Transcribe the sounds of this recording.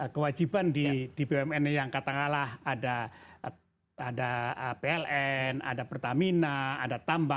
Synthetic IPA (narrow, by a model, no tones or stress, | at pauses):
əkəwad͡ʒibandid̥ibeɛmɛnjaŋkat̪aŋalahada | adaəpeɛlɛna̰dapərt̪aminana̰dat̪amba